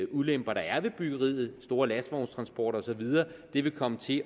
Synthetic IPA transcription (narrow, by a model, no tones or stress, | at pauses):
ulem̰b̥ɐɾ̥ɑ̈æɐʋe̝b̥yɡ̥ɐʁḭːð̩ˠsd̥o̝ːɐlæsdʋɒʊnst͡sʰʁɑ̈nsb̥ɒ̰ːɾɒ̽sɒ̽ʋið̞ˠɐːd̥e̝ʋe̝kʰɒ̽mət͡sʰe̝